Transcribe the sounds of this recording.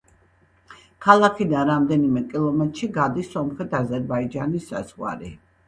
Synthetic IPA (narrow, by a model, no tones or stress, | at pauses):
kʰalˠakʰid̪anɾamd̪ɛnimɛkʼilˠɔmɛt̪ʼɾʃiɡad̪isːɔmχɛt̪ʰazɛɾbaid͡ʒanisːa̰zʁwa̰ɾḭ